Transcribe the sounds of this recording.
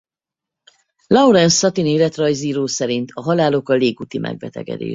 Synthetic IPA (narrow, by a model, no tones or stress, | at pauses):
lɒuɾɛnsɒt̪ineːlɛt̪rɒjziːɾoːsɛɾint̪ʰɒɦɒlaːlo̞kɒleːkut̪imʔɛ̰ɡ̚bɛ̰t̪ɛ̰ɡɛ̰d̪ḛː